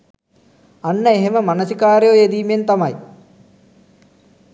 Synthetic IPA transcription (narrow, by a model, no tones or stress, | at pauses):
anːəeɦeməmanɐsikaːɾjojed̪iːment̪amɐj